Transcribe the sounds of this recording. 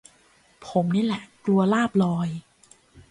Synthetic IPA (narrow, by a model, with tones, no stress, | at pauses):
pʰo˩˦mniː˦˥˩lɛ˨˩ʔklu˧ɐlaː˥˩p̚lɔː˧j